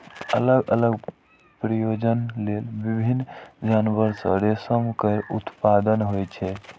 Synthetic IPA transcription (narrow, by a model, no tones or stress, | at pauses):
ələɡələɡ | pɾəjod͡ʒənlelbibʱinːd͡ʒanbəɾsə̰ɾesəmkəɾut̪pad̪ənɦojt͡ʃʰɛ